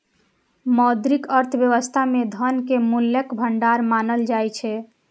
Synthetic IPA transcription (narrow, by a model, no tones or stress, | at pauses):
mɔd̪ɾikəɾt̪ʰəbjəʋəst̪ʰamed̪ʱənkemulːekbʱəɳɖaɾmanəld͡ʒajt͡ʃʰɛ